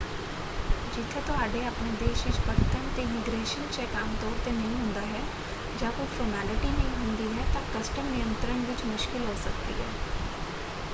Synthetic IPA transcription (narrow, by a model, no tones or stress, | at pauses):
d͡ʒɪt̪ʰːet̪ʊaːɖeəpned̪eːʃʋɪt͡ʃpəɾt̪əmt̪emɪɡɾeːʃənt͡ʃɛːkaːmt̪ɔːɾt̪enəɦĩɦʊ̃ːnd̪aːɦɛː | d͡ʒaːkʊfʰoːmɛːlɪʈinə̃ɦĩɦʊ̃nd̪iɦɛt̪ãkɐsʈəmnɪjə̃nt̪ɾənʋɪt͡ʃmʊʃkɪlɦoːsɐk̚t̪ḭɦɛː